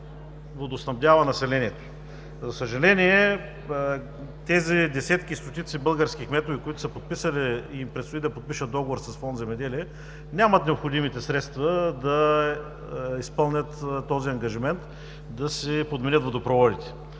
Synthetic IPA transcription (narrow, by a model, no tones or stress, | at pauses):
vod̪osnɐvd̪ʲavɐnɐsɛlɛniɛt̪o̥ | zɐsəʒɐlɛniɛ | t̪ɛzid̪ɛsɛt̪k̟ist̪ot̪it̪sibɤlˠɡəɾskʲixmɛt̪ovikoit̪ʊ̥səpot̪̚pisɐliiimpɾɛt̪st̪ʊid̪ɐpot̪̚piʃət̪̚d̪ɔɡovoɾsɐsfɔnd̪zɛmɛd̪ɛliɛ | nʲamɐt̪nɛopxod̪imit̪ɛsɾɛt̪st̪vɐd̪ɐ | ispɤlˠnʲət̪t̪ːɔziɐŋɡɐʒimɛnt̪ | d̪ɐsɛpod̪mɛnʲət̪vod̪opɾovɔd̪it̪ɛ̥